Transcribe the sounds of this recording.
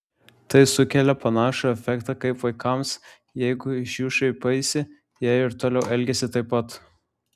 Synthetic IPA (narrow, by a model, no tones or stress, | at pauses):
t̪ɐɪsʊkʲɛlʲɛpɐnɑːʃoɛfʲɛkt̪ɑkɐɪpʋɐɪkɐms | jɛɪɡʊɪʃʲjuːʃɐɪpɐɪsʲɪ | jæɪɾt̪oːlʲɛʊɛlʲɡʲɛsʲɪt̪ɐɪpːɐt̪